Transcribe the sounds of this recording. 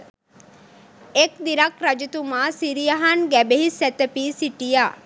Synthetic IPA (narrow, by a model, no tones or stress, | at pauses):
ekd̪iɾɐkɾɐd͡ʒit̪umaːsiɾijaɦanɡæbeɦisɛt̪epiːsiʈija